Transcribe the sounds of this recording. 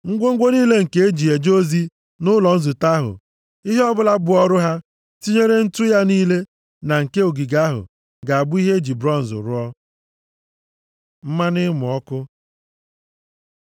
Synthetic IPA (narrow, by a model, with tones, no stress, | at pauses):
ŋ̩˦ɡʷo˦ŋ̩˦ɡʷo˦niː˦le˦ŋ̩˨ke˦e˦d͡ʒi˨e˨d͡ʒo˦zi˦ | nʊ˦lɔ˨n̩˦zu˨ta˦ɦʊ̰˨ | i˦ɦe˦ɔ˦bʊ˦la˦bʊ˨ɔ˦ɾʊ˦ɦa˦ | ti˦ɲe˦ɾe˦n̩˦tʊ˦ja˦niː˦le˦ | na˨ŋ̩˨ke˦o˨ɡi˨ɡa˦ɦʊ̰˨ | ɡa˨a˨bʊ˦i˦ɦe˦e˦d͡ʒi˨bɾɔ˦˨n̩˨zʊ̰˨ɾʊ˦ɔ˦ | m̩˦ma˦nɪ˦mʊ˨ɔ˦kʊ˦